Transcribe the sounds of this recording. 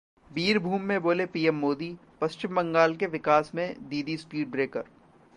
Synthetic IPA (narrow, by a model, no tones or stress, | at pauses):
biːɾbʱuːmːẽboːlepiːɛmːoːd̪ipɐst͡ʃɪmbɐ̃ŋɡaːlkeʋɪkaːsmẽd̪iːd̪ispiːɖ̚bɾeːkəɾ